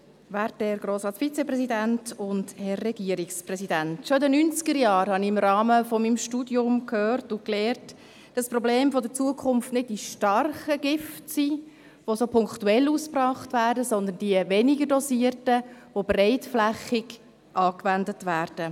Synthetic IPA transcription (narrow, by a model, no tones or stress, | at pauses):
ʋaɾtɛɾɡɾoːsɾɑːtfit͡sɛprɛsidæntʊndhɛrːɛɡ̥iəɾiksprɛsidæntʃoidənynt͡sɡ̥əɾjɑːɾhɑniɪmɾɑːməfɔmimʃtuːdiʊmkʰhøːrtʊklɛːrt | d̥ɑsprɔbleːmfɔdət͡suəkʰʊnftnɪd̚diʃtɑrχəɡ̥ɪftsi | ʋosopʰʊŋktuɛlːuːsprɑːχtʋæːrdəsɔnd̪əndiəvɛnɪɡəɾdɔsiərtəʋobrɛɪtflæχɪɡ | ʔɑːkʋændətʋæːɾd̥ə